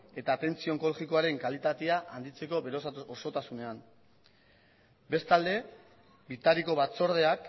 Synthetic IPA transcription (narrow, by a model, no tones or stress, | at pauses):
e̞t̪aːt̪e̞nt͡sio̞ŋko̞loɣiko̞aɾe̞ŋkalit̪at̪eaʔand̪it͡se̞ko̞βeɾososo̞t̪asune̞am | be̞st̪ald̪e̞ | bit̪aɾiko̞βat͡so̞ɾð̞e̞ak